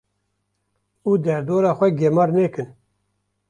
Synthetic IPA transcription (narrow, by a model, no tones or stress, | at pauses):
uːd̪ɛɾd̪oːɾɑːxʷɛɡemɑːɾnɛːkɨn